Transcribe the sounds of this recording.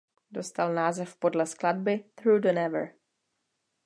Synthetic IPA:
do̞st̪alnaːzɛfpo̞dlɛsklad̚bɪθɾuːdənɛvə̰ɹ

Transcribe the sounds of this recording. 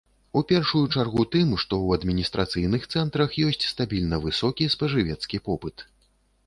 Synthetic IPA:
upʲɛrʂujut͡ʂarɣut̪ɨmʂt̪ɔwɐd̪mʲinʲist̪ɾʔat̪sɨjnɨxt̪sɛnt̪ɾɐxjɔsʲt͡sʲst̪abʲilʲnɐvɨsɔkʲispɐʐɨvʲɛt̪skʲipɔpɨt̪

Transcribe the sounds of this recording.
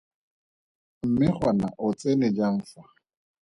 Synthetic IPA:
m̩mɪχwana̰ʔʊt͡sʼenɪd͡ʒaɱ̩ːfa

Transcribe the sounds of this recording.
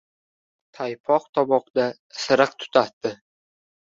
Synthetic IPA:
t̪ʰajpʰɒq̚t̪ʰɒbɒqd̪a | sɨɾɨqt̪ʰʊ̥t̪ʰat̪ːɪ

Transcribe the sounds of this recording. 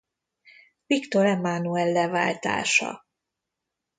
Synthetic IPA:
vikt̪o̞ɾɛmːanuɛlːɛva̰ːlt̪a̰ːʃɒ̰

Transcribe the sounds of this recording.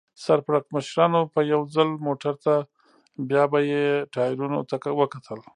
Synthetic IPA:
saɾpɾak̚məʃɾɑnopəjawd͡zalmoʈaɾt̪a | bjɑbajeʈɑjɾuno̰t̪akawəkat̪ʰəl

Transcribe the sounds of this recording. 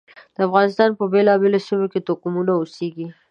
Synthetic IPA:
d̪̥əafɣɑnɪst̪ɑnpəbelɑbelosimoket̪okumunaoseɡi

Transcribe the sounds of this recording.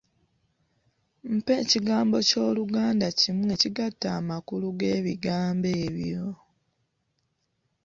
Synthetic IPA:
m̩pe̞ːciɡaːmbo̞co̞ːluɡaːndacimwe̞ːciɡatːaːmakuluɡe̞ːβiɡaːmbe̞ːβjo

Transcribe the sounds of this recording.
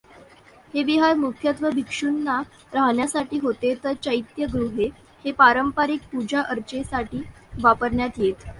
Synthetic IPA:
heʋiɦaɾmukʰjət̪ʋəbʱikʂunːa | ɾaɦɳjasaʈiːɦot̪et̪əɾt͡ɕəjt̪jəɡɾuɦe | hepaɾəmpaɾik̚pud͡ʑʱaʔəɾt͡ɕesaʈiːʋapəɾɳjat̪jet̪

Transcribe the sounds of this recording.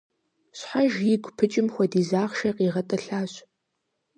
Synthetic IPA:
ɕħaʒjɪɡʷpʰɨt͡ʃʼɪmxʷɔdiːzaːʁʃɐqiːʁɐtʼɐɬaːɕ

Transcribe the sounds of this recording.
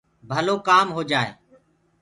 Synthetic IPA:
bʱəloːkaːmɦoːd͡ʒaːḛː

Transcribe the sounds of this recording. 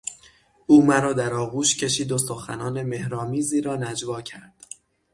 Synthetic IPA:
ʔuːmæɾɒːd̪æɾɒːɣuːʃcʰe̞ʃiːd̪osoxæ̰nɒːne̞me̞hɾɒːmiːziːɾɒːnæd͡ʒvɒːcʰæɾd̪̥

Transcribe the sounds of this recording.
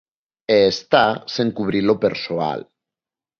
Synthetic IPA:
eːst̪aseŋkuβ̞ɾilopeɾsoa̰l

